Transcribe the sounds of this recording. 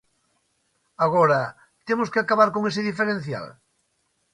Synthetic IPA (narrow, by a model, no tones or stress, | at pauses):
aɣɔɾɐ | t̪emʊskɪakaβaɾkoŋesɪðifeɾen̟θja̰l